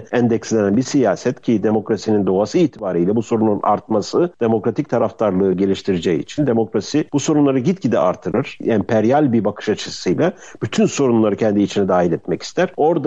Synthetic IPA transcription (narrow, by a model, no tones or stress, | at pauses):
ɛnd̪ɛcslʲenænbisijaːsɛt̪cʰid̪e̞mo̞kɾasinind̪o̞asɯiːt̪ʰibaːɾɯjlʲɛbuso̞ɾununʔa̰ɾt̪̚masɯd̪̥e̞mo̞kɾat̪ʰic̚t̪ʰaɾaft̪ʰaɾlˠɯːɟe̞lʲiʃt̪ʰiɾid͡ʒɛiːt͡ʃʰind̪e̞mo̞kɾasib̥uso̞ɾunlˠaɾɯɟit̪̚cid̪ɛ̰ʔa̰ɾt̪ʰːɯɾɯɾ̥ɛmpʰɛɾjalʲbibakʰɯ̥ʃat͡ʃʰɯsɯjlʲˠa | b̥yt̪ʰynso̞ɾunlˠaɾɯcʰɛnd̪iːt͡ʃʰinɛd̪aːɦilʲɛt̪mɛci̥st̪ʰæɾ̥o̞ɾd̪a